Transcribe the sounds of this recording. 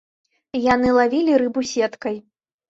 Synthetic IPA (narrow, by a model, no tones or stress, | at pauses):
janɨlˠavʲilʲiɾɨbusʲɛt̪kɐj